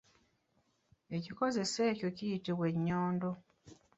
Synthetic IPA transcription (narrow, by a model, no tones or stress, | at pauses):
e̞ciko̞ze̞seːco̞cijitiβwe̞ɲːoːndo